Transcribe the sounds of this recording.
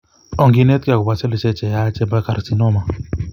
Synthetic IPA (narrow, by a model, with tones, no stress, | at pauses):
ɔ˨ŋɡi˦nɛ˦t̪̚ka˨ku˨ba˨sɛ˦li˨t͡ʃɛ˦t͡ʃɛ˨ja˦t͡ʃɛ˦ba˦ka˨ɾsi˦nɔ˦ma˨